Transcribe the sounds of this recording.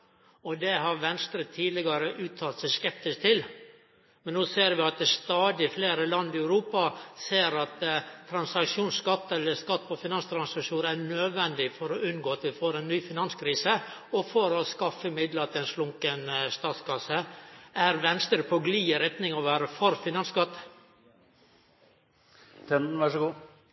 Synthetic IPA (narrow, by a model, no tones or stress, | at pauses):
ɔd̪ɛɦɑɾʋɛnst̪ɾət̪ʰiːd̪lɪɡɑɾəʔʉːt̪ʰːɑːlt̪sɛɪskɛp̚t̪ɪskt̪ʰɪl | mɛnːoːseːɾʋɪɑt̪̚d̪ɛst̪ɑːd̪ɪfleːɾəlɑnːɪæʉɾuːpɑseːɾɑt̪t̪ʰːɾɑnsɑkʂuːnskɑt̪ːɛlːəskɑt̪ːpɔfɪnɑnst̪ʰɾɑnsɑkʂuːnæɳøːd̪ʋɛnd̪ɪfɔɾɔʉnɡoːɑt̪ʋɪfoːɾɛnːyːfɪnɑnskʰɾiːsəɔfɔɾɔskɑfəmɪd̪lət̪ʰɪlɛnslʊŋkənst̪ɑːt̪skɑsəæɾʋɛnst̪əɾpʰɔɡliːəɾɛt̪nɪŋɑʋæːɾəfɔɾfɪnɑnskɑt̪ː | t̪ʰɛnn̩ʋæʂɡuː